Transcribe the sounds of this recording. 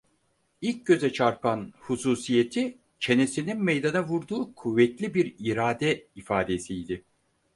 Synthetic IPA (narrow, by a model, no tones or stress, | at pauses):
ilʲc̚ɟø̞zɛt͡ʃʰaɾpʰanhusuːsije̞t̪ʰi | t͡ʃʰe̞ne̞sininmejd̪anavuɾd̪uːkʰuvːɛt̪lʲibiɾiɾaːd̪ɛifaːd̪e̞sijd̪ɪ